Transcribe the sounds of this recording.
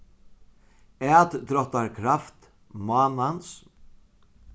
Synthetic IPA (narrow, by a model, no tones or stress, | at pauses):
ɛːt̪t̪ɾɔht̪aɾkʰɾaft̪ | mɑːnans